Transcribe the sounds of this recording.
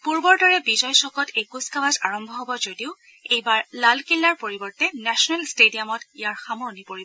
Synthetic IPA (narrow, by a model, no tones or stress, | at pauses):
puɹbɔɹdɔɹɛbizɔjsɔkɔtejkuskabazaɹɔmbʱɔɦɔbɔzodiʊ | ejbaɹlalkilːaɹpoɹibɔɹtɛnɛsɔnɛlstediamɔtijaɹxamoɹnipoɹibɔ